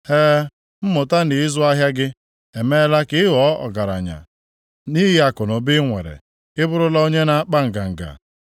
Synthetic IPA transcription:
heː˦ | m̩˦mʊ˨ta˦nɪ˨ɪ˦zʊ˦a˦ɦja˦ɡɪ˦ | e˨me˦la˦kɪ˦ɪ˦ɦɔ˦ɔ̰˨ɡa˨ɾa̰˨ɲa̰˨ | ni˦ɦɪ˦a˨kʊ˨nʊ˨bɪ˦ŋʷḛ˨ɾḛ˨ | ɪ˦bʊ˦ɾʊ˦la˦o˦ɲe˦na˦k͡pa˦ŋ̩˨ɡa˨ŋ̩˨ɡa̰˨

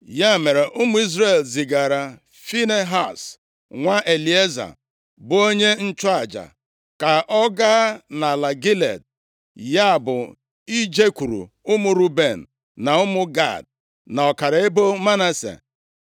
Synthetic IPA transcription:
ja˦me˨ɾe˨ʔʊ˦mʊ˦i˦zɾe˦˨lzi˨ɡa˨ɾa˨ | fi˦ne˦ɦa˦˨s | ŋʷa˦ʔe˨li˨˦e˦za̰˨ | bʊ˨o˦ɲe˦n̩˦t͡ʃʊ˦a˨d͡ʒa̰˨ | ka˨ʔɔ˦ɡa˦na˨la˨ɡi˦lḛ˨d̚ | ja˦˨bʊ˨ | i˦d͡ʒe˦kʷu˨ɾṵ˨ | ʊ˦mʊ˦ɾu˦be˨n̩˨ | na˨ʊ˦mʊ˦ɡa̰˦˨d̚ | na˨ɔ˨ka˨ɾa˨e˦bo˦ma˦na˦sḛ˨

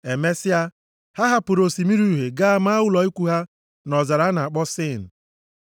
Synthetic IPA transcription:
e˨me˦sɪ˦a˦ | ha˦ɦa˦pʊ˨ɾo˨si˨mi˦ɾu˦ɦe˨ɡa˦a˦ma˦wʊ˦lɔ˨i˦kʷu˦ɦa˦ | nɔ˨za˨ɾa˨˦na˨a˨k͡pɔ˦sɪ˦˨n̩˨

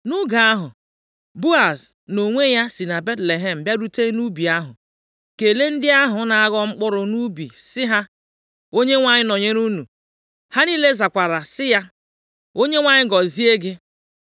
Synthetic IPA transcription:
nʊ˦ɡa˨a˦ɦʊ˨ | bu˦a˨sno˨ŋʷe˦ja˦si˨na˨be˦tle˨ɦe˦m̩˨bja˦ɾu˦te˦nu˦bi˨a˦ɦʊ̰˨ | ke˨le˦n̩˦dɪ˦a˦ɦʊ˨˦na˨a˦ɣɔ˦ŋ͡m̩˦k͡pʊ˦ɾʊ˨nu˦bḭ˨sɪ˦ɦa˦ | o˦ɲe˦ŋʷa˨ɲɪ˦no˨ɲe˦ɾu˦nu˨ | ha˦ni˦le˦za˨kʷa˨ɾa˨sɪ˦ja˦ | o˦ɲe˦ŋʷa˦ɲɪ˦ɡɔ˨zi˦e˦ɡɪ˦

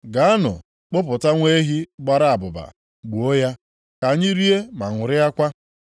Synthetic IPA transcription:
ɡa˨˦a˦nʊ̰˨ | k͡pʊ˦p̬ʊ˨ta˦ŋʷe˦ɦi˦ɡ͡ba˦ɾa˦a˨bʊ˨ba̰˨ | ɡ͡bu˨o˦ja˦ | ka˨ɲɪ˦ɾi˦e˦ma˨ŋʷʊ˨ɾɪ˦a˦kʷa˦

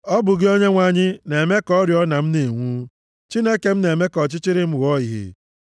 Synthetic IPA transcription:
ɔ˦bʊ˨ɡɪ˦o˦ɲe˦ŋʷa˦ɲɪ˦ne˨me˦kɔ˦ɾjɔ˦na˨m̩˦ne˨ŋʷuː˦ | t͡ʃi˦ne˦ke˨m̩˦ne˨me˦kɔ˨t͡ʃɪ˦t͡ʃɪ˦ɾɪ˦m̩˦ɣɔ˦i˨ɦḭ˨

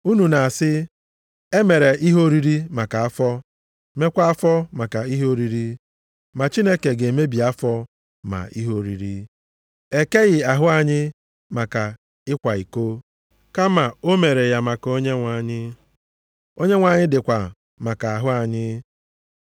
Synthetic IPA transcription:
u˦nu˨na˨a˨sɪ˦ | e˦me˨ɾe˨ʔi˦ɦo˦ɾi˦ɾi˦ma˨ka˨a˦fɔ˦ | me˦kʷa˦a˦fɔ˦ma˨ka˨i˦ɦo˦ɾi˦ɾi˦ | ma˨t͡ʃi˦ne˦ke˨ɡe˨me˦bi˨a˦fɔ˦ | ma̰˨ḭ˦ɦo˦˨ɾḭ˨ɾi˦ | e˦ke˦ɣɪ˨a˨ɦʊ˦a˨ɲɪ˦ | ma˨ka˨ | ɪ˦kʷa˨i˨ko˦ | ka˦ma˨o˦me˨ɾe˨ja˨ma˨ko˦ɲe˦ŋʷa˨ɲɪ˦ | o˦ɲe˦ŋʷa˨ɲɪ˦dɪ˨kʷa˨ | ma˨ka˨a˨ɦʊ˦a˨ɲɪ˦

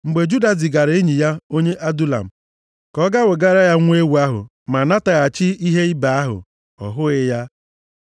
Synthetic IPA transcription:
ŋ͡m̩˨ɡ͡be˨d͡ʒu˦da˨zi˨ɡa˨ɾe˦e˦ɲi˨ja˦o˦ɲe˦ʔa˦du˦la̰˨m̩˨ | kɔ˦ɡa˦wʊ˨ɡa˦ɾa˦ja˦ŋʷ˦e˦wu˨a˦ɦʊ̰˨ | ma˨na˦ta˨ɣa˨t͡ʃɪ˦i˦ɦe˦i˦ba˨a˦ɦʊ̰˨ | ɔ̰˨ɦʊ˦ɣɪ˦ja˦

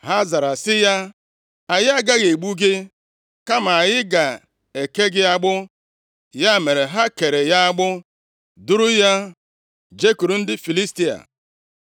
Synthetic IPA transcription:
ha˦za˨ɾa˨sɪ˦ja˦ | a˨jɪ˦a˦ɡa˦ɣe˨ɡ͡bu˦ɡɪ˦ | ka˦ma˨a˨jɪ˦ɡa˨ | e˨ke˦ɡɪ˦a˦ɡ͡bʊ˦ | ja˦˨me˨ɾe˨ɦa˦ke˨ɾe˨ja˦a˦ɡ͡bʊ˦ | du˦ɾu˦ja˦ | d͡ʒe˦ku˨ɾu˨n̩˦dɪ˦fi˨li˦sti˦a̰˨

